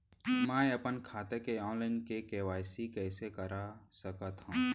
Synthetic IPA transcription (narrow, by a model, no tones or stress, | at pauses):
mãːeɐpənkʰaːt̪ekeɔːnlaːɪnkekeʋaːjsikɛːsekəɾasəkət̪ɦũ